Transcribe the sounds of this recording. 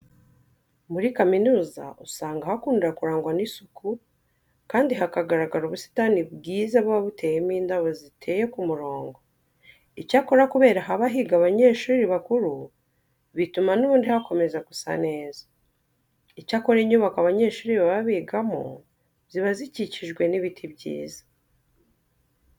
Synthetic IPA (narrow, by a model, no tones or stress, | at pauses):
muɾikaminuːza̰ʔusaːŋɡahakuːndiɾakuɾaːŋɡwanisukʰu | kaːndiɦakaɡaɾaɡaɾuβusi̥tanibɡiːzaβɡaβutʰe̞jemiːndaβozitʰe̞je̞kumuɾo̞ːŋɡo̞ | icako̞ɾakuβe̞ːɾaɦaβaɦiɡaβaɲeːʃuːɾiβakuɾu | βitumanuβuːndihako̞me̞zakusa̰ne̞ːzḁ | icako̞ɾeɲuːβakaβaɲe̞ːʃuːɾiβaβaβiːɡamo̰ | ziβaziciciʒɡwe̞niβitʰibɟḭːzḁ